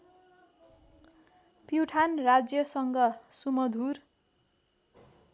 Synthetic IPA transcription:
piwʈʰanrad͡zjʌsʌŋɡʌsumʌd̪ʱur

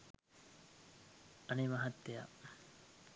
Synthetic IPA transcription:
ɐnimɐɦɐt̪ːeja̰

